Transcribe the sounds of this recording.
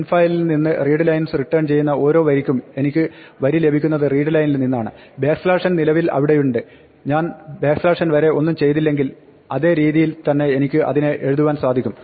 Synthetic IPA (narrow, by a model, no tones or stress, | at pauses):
enfaːjilninːɨriːɖɨlɐjnsriʈːɐːrɳt͡ɕe̞jːunːɐo̞ːɾo̞ːʋɐɾikʲːume̞nikʲːɨʋɐɾile̞bʱikʲːunːɐðɨriːɖɨlɐjnilninːaːɳɨ | beːkslaːʂɐnnilɐʋilɐ̰ʋiɽe̞juɳɖɨ | ɲaːnbeːkslaːʂɐnʋɐɾe̞o̞nːumt͡ɕe̞jt̪ilːe̞ŋɡil | ɐðe̞ːɾiːðijilt̪ɐnːe̞enikʲːɨʔɐ̰ðineʔe̞ɻuðuʋaːnsaːd̪ʱikʲːum